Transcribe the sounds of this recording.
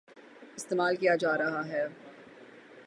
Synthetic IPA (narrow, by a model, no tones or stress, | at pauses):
ɪst̪eːmaːlkijad͡ʒaːɾɐɦaɦɛː